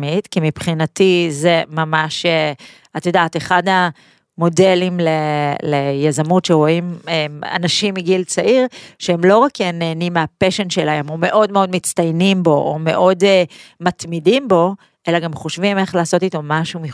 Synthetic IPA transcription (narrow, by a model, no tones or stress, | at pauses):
mitkimipχinatizemamaʃe | at̪odaːt̪eχada | mo̞de̞limlelejazamutʃeʁo̞imea̰naʃimːiɡilt͡saʔiʁʃeemlo̞ʁakeneːnimːeapeʃenʃelahemume̞ʔo̞dme̞o̞dmit͡st̪ajnimbo̞ʔome̞̰ʔo̞demat̪midimbo̞ | ʔe̞laɡamχoʃvime̞χlaːso̞tito̞maʃumi